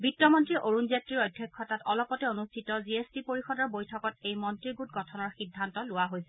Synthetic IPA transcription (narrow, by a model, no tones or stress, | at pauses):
bitːɔmɔntɹiʔoɹunzjatɹiɹɔjdʱːjɔkʰːɔtatɔlɔpɔtɛonustʰitɔziestipoɹixɔdɔɹbojtʰɔkɔtejmɔntɹiɡutɡɔtʰɔnɔɹxidʱːantɔlʊwaɦojsɛ̥